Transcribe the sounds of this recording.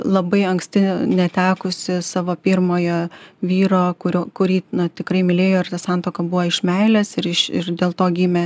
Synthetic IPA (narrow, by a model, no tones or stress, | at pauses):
lˠɐbɐɪɐŋksʲt̪ʲɪnʲɛt̪ʲæːkʊsʲɪsɑːʋoːpʲirmoːjoːʋʲiːɾoːkʊɾʲoːkʊɾʲiːnɐt̪ʲɪkɾɐɪmʲɪlʲeːjoːɪrt̪ɐsɑnt̪oːkɐbuːʋoɪʃmʲɛɪlʲɛsɪɾɪʃɪ̰rd̪ʲeːlˠt̪oːɡʲiːmʲɛ